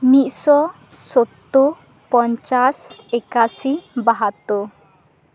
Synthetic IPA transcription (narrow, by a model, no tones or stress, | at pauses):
mit̪sɔ | sot̪ːo | pɔnt͡ʃasɛkasibaɦat̪ːo